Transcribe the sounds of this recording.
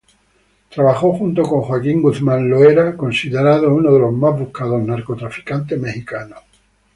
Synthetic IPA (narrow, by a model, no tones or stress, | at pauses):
t̪ɾaβaxoxunt̪oko̞ŋxwakiŋɡuθmãnloeɾako̞nsiðeɾaðounoðe̞lo̞zmazβuhkaðo̞znaɾkot̪ɾafi̥kant̪̬eme̞xikano